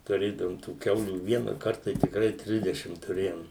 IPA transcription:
tʊˈrʲeːdɐʋoːm tuː ˈkʲɛʊlʲuː ˈʋʲiɛnɐkɐrt tɐɪ tʲɪkˈrɐɪ ˈtʲrʲɪzʲdʲɛʃʲɪm tʊˈrʲeːjoːm

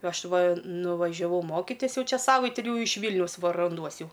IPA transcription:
ˈɐʃ ˈʋɐ nʊʋɐʒʲɛˈʋɐʊ ˈmoːkʲɪtʲɪs ˈjɛʊ ˈt͡ʃʲɛ ˈsɑːʋɐɪtʲɪ ˈjɛʊ ɪʃ ˈʋʲiːlʲnʲɛʊs ˈʋɐ rɐnˈduɔs ˈjɛʊ

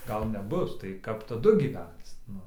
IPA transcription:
ˈɡɐlˠ nʲɛˈbʊs tɐɪ ˈkɐp tɐˈdʊ ɡʲiːˈʋʲɛnt͡s ˈnʊ

